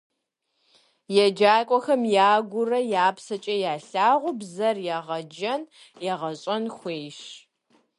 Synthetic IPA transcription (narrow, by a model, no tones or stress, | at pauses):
jɛd͡ʒaːkʷʼɔxɐmjaːɡʷʊrɐjaːpsɐt͡ʃʼɐjaːɬaːʁʷʊbzɐrjɛʁɐd͡ʒɐn | jɛʁɐɕʼɐnxʷeːʃ